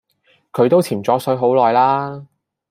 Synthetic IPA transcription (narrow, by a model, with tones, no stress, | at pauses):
kʰɵ˨˧ɥt̪o˥wt͡sʰiː˨˩mt͡sɔː˨˥sɵ˨˥ɦo˨˥wlɔː˨jlaː˥